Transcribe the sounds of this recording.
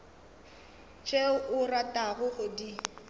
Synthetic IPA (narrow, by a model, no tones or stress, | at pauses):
t͡ʃʼeʊʔʊratʼaɣʊhʊdi